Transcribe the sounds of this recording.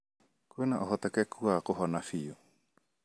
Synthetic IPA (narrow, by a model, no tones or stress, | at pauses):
kuenaʔoɦot̪ekekuaːkoɦonafio